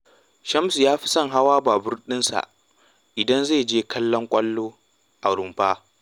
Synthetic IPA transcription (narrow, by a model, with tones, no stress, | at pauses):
ʃɐ˦msu˨jaː˦ɸi̥˦sɐ˦˨ŋɦa˦waː˦baː˨bʊ˦rɗɪ˦nsa̰˨ʔ | ʔɪ˨dɐ˦nze˦˨d͡ʒeː˦kʰɐ˦lːɔ˦ŋkʷʼɐ˦lːoː˦ | ʔa˨ɽʊ˨mɸaː˦